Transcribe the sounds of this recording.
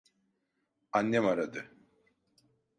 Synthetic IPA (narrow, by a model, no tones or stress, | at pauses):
anːɛmaɾad̪ɯ